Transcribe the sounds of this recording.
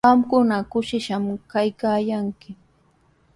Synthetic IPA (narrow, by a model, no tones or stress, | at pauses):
amkʊnakʊʃɪʃamkajkaːjaŋkɪ